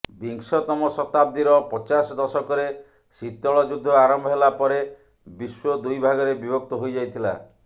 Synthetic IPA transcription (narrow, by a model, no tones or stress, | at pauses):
biŋsɔt̪ɔmɔsɔt̪ab̚d̪iɾɔpɔt͡ʃasɔd̪ɔsɔkɔɾe | sit̪ɔɭɔd͡ʒud̪ʱːɔaɾɔmbʱɔɦelapɔɾe | biswɔd̪ujbʱaɡɔɾebibɔk̚t̪ɔɦojd͡ʒajt̪ʰila̰